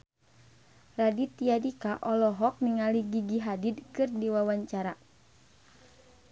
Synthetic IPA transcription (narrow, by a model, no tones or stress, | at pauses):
radit̪ijadikaʔɔlɔɦɔk̚niŋaliɡiɡiɦadid̪̚kɨrdiwawaɲt͡ʃaɾa